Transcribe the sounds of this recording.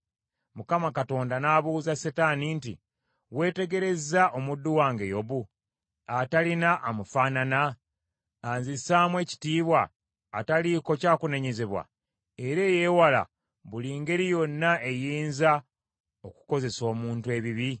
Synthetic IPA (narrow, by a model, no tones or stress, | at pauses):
mukamakato̞ːndanaːβuːzasetaːnintḭ | we̞ːte̞ɡe̞ɾe̞zaʔo̞mudːuwaːŋɡe̞jo̞βu | atalinaʔːmufaːnanaː | nzisaːmwe̞ːci̥tiːβwaː | taliko̞caːkune̞ɲe̞ze̞βwa̰ | e̞ɾe̞ːje̞ːwala̰ | βuliːŋɡe̞ɾijo̞nːaʔe̞jiːnza | o̞ku̥ko̞ze̞so̞ːmuːntwe̞ːβiβi